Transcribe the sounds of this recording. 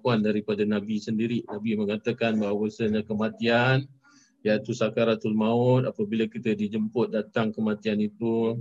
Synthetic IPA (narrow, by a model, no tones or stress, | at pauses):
kuandaɾipadanabisəndiɾinabiməŋat̪akanbaɦwəsəɲãkəmat̪ian | jait̪usakaɾat̪ulmãʊt̪apəbilakit̪ədid͡ʒəmpʊt̪̚dat̪aŋkəmat̪ianit̪u